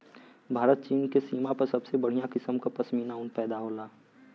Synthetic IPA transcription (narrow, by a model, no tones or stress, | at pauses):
bʱaːɾət̪̚t͡ʃiːnkesiːmãpɐɾsɐbsebəɽ̤ijãkɪsəmkapɐsmiːnaʊnpɛːd̪aɦoːlaː